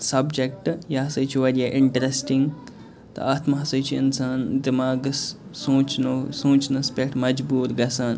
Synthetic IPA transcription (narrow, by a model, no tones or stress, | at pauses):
sɐbd͡ʒek̚ʈjɐɦɐsɐjt͡ʃʰiʋɐɾjɐʔɪɳʈɐɾesʈiŋɡ | t̪ɐ̰aːt̪mɐɦɐsɐjt͡ʃʰiinsaːnd̪imaːɡssõːt͡ʃnosõːt͡ʃnɐspʲekʈmɐd͡ʒbuːɾɡɐsaːn